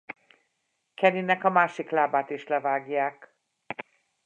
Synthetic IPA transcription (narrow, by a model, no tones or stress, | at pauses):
kɛninɛkɒmaːʃiklaːbaːt̪iʃlɛvaːɡjaːk